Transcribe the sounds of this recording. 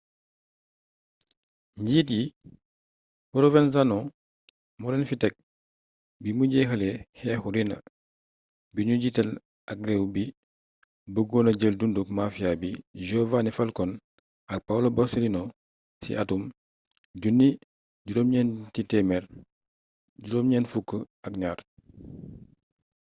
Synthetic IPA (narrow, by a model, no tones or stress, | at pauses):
ɲɟiːtji | puɾɔvɛns̬anɔ | muɾɛnfitɛk̚ | bimuɟɛxəlɛhɛːxuɾinɐ̰ | biɲuɟitɛl | ʔak̚ɾɛwbi | bəɡɔːnɐɟəldunduk̚mafiabiʒɔvanifɐlkɔn | ɐk̚pawlobɔsilinɔ | sḭʔɐtum | ɟunːi | ɟudɔːmɲɛntitɛmɛɾ | ɟuɾɔːmɲɛːnfukːə | ɐk̚ɲaːr